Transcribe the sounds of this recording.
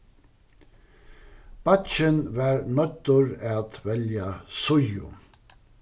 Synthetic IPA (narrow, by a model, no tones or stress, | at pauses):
b̥ɑt̪t͡ʃənʋɑːɹɳœt̪ʊɹeːɑt̪ʋɛljɑsʊjʊ̰